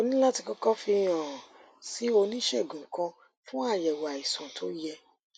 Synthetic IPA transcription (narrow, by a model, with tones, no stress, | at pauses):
o˧nĩ˦la˦ti˧kɔ˦kɔ˦fi˧j̃ã˨ | si˨˦o˧nĩ˦ʃe˦˨ɡũ˨kã˧ | fũ˦a˦˨jɛ˨wa˨i˨sũ˨tʰo˨˦jɛ˧